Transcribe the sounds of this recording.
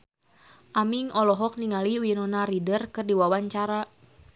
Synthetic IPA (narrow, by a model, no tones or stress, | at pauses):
ʔamiŋɔlɔɦɔk̚niŋaliuwinɔnaɾidərkɨrdiwawaɲt͡ʃaɾa